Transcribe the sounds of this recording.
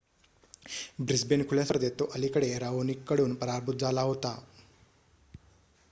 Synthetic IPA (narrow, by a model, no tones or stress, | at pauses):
bɾisbenkʰuljasəɾd̪et̪ːoʔəlikəɽeɾaʋonikːəɽuːnpəɾaɾbʱut̪̚d͡zalaɦot̪a